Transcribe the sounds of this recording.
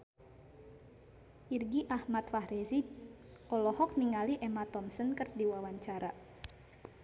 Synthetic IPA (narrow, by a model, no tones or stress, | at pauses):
ʔirɡiʔahmat̪fahɾɛzi | ʔɔlɔhɔk̚niŋaliʔɛmat̪ɔmsənkərdiwawaɲt͡ʃaɾa